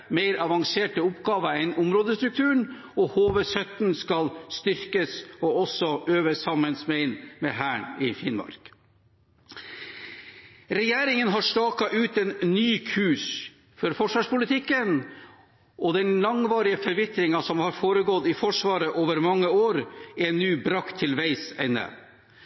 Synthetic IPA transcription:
meɪɾɑʋɑŋseːʈəʊpɡɑːʋəɛnʊmɾoːd̪əst̪ɾʉk̚t̪ʰʉːɳ | ɔhoːʋəsœt̪n̩skɑlst̪ʏɾkəsɔɔsːɔʔøːʋəsɑmənsmɛɪnmɛhæːɳɪfɪnmɑ̰ɾk | ɾɛjeːɾɪŋənɦɑʂʈɑːkɑʔʉːt̪ɛnnyːkʰʉːʂ | fɔɾfɔʂʋɑːʂpʊlɪt̪ʰɪkːən | ʔɔd̪ɛnlɑŋʋɑːɾɪəfɔɾʋɪt̪ɾɪŋɑsɔmhɑɾfoːɾəɡɔt̪ːɪfɔʂʋɑːɾəʔoːʋəɾmɑŋːəoːɾɛnːyːbɾɑkt̪ʰːɪlʋæɪsæ̰nːə̰

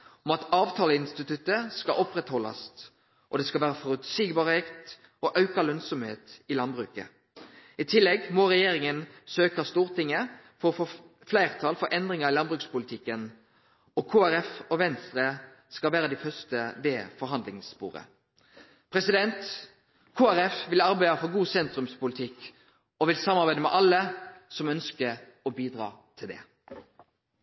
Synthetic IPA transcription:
ɔmɑt̪ɑːʋt̪ʰɑːləɪnst̪ɪt̪ʉt̪ːəskɑʔɔpːʁɛt̪hɔlɑ̰st̪ | ʔɔd̪ɛskɑlʋæːʁəfɔɾʉt̪siːɡbɑːʁheːkt̪ | ɔʔɑʉkɑlœnsɔmhḛːt̪ɪlɑnbʁʉːkə̰ | ɪt̪ʰɪlːɛɡmɔʁɛjeːɾɪŋənsøːkɑst̪uːʁt̪ɪŋːə | fɔʁɔfoː | flæɪʁt̪ʰɑːlfɔɾʔɛnd̪ʁɪŋɑʁɪlɑnbʁʉːkspʊlɪt̪ʰɪkːən | ɔkʰoːæɾɛfɔʋɛnst̪ʁə | skɑlʋæːɾəd̪æfœst̪əʋeːfɔɾɦɑnd̪lɪŋspṵːɾə̰ | pʰʁɛsɪd̪ɛnt̪ | kʰoːæɾɛfʋɪlɑɾbæɪɑfɔʁɡuːsɛnt̪ʁʉmspʊlt̪ʰɪk | ɔʋɪlsɑmːɑʁbæɪd̪əmɛ̰ʔɑlːəsɔmœnskəɾ | ɔbiːd̪ʁɑ̰ːt̪ʰɪld̪ɛ̰

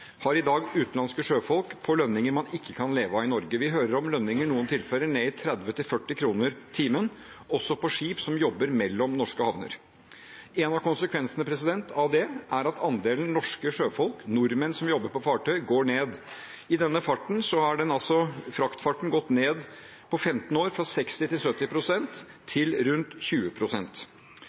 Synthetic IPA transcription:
hɑɾɪd̪ɑːɡʉːt̪nlɑnskəʂøːfɔlˠkpʰɔlœnːɪŋəɾmɑnɪkʰːəkʰɑnleːʋɑɪnɔɾɡəʋɪɦøːɾəɾɔmlœnːɪŋəɳuːənt̪ʰɪlfœɾəɳeːɪt̪ʰɾɛd̪ʋət̪ʰɪlfœʈːɪkʰɾuːnəɾt̪ʰiːmən | ɔsɔpʰɔʂiːpsɔmjɔbːəɾmɛlːɔmnɔʂkəhɑʋnə̰ɾ | ɛnɑʋkʊnsəkʰʋɛnsənəpʰɾɛsɪd̪ɛnt̪ʰɑʋd̪ɛʔæɾɑt̪ʰɑnd̪eːlənnɔʂkəʂøːfɔlknʊɾmənsɔmjɔbːəɾpɔfɑːʈʰœʏɡoːɳeːd̪ | ɪd̪ɛnːəfɑʈːɳ̩sɔhɑɖɛnɑlsɔfɾɑkt̪fɑʈːɳ̩ɡɔt̪ːneːd̪ | pʰɔfɛmt̪n̩oːɾfɾɑsɛkst̪ɪt̪ɪlsœt̪ːɪpʰɾʊsɛnt̪ʰː | ɪlɾʉnt̪çʉːəpʰɾʊsɛnt̪

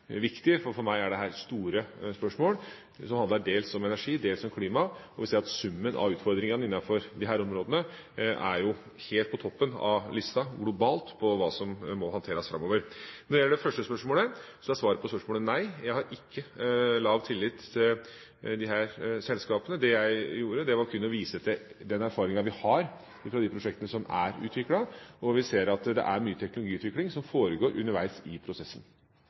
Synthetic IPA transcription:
ʋɪkt̪ɪfɔɾfɔɾmæɪæɖɛɦæːɾst̪uːɾəspœʂmoːl | sɔmhɑnd̪ɑɖeːlsɔmɛnæʂiːd̪eːlsɔmkʰliːmɑɔʋɪlseːɑt̪sʉmːənʔɑ̰ʉːt̪fɔɾd̪ɾɪŋənəɪnːɑfɔɾd̪ɪɦæːɾɔmɾoːd̪ənə | æɾjʊ | heːlt̪̚pʰɔt̪ʰɔpːənɑ̰ʋlɪst̪ɑɡlʊbɑːlt̪pʰɔʋɑːsɔmːɔhɑnt̪ʰeːɾəsfɾɑ̰moːʋəɾnɔɖɛjɛlːəɖɛfœʂʈəspœʂmoːləsɔæɪsʋɑːɾəpʰɔspœʂmoːlənæɪjæɪhɑɾʔɪkʰːəlɑʋt̪ʰɪlːɪt̪ʰːɪl | d̪ɪɦæːɾsɛlskɑːpənəd̪ɛjæɪjuːɾəd̪ɛʋɑɾkʰʉnːɔʋiːsəd̪ɛ | d̪ɛnæɾfɑːɾɪŋɑʋɪhɑɾ | ɪfɾɑd̪ɪpʰɾʊʂɛk̚t̪ənəsɔmæ̰ɾʉ̰ːt̪ʋɪkɽɑɔʋɪseːɾɑt̪d̪ɛ̰ʔæɾmyːət̪ʰɛknʊlʊɡiːʉt̪ʋɪklɪŋsɔmfoːɾəɡoːɾʔʉ̰nːəɾʋæɪsɪpʰɾʊsɛsːən

